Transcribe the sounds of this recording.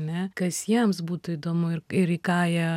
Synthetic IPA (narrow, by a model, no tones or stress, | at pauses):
nʲɛkɐsjiɛmsbuːt̪ʊiːd̪oːmʊɪɾɪɾikɑːjɛ